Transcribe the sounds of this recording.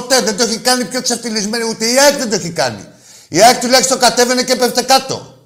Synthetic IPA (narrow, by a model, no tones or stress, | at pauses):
t̪eðed̪oçikɐnipçot̪kisɐft̪ilizme̞niut̪eiakðend̪oçikɐ̰nḭ | iɐkt̪ulɐjçisit̪o̞kɐt̪e̞venecepeft̪ekɐt̪o̞̰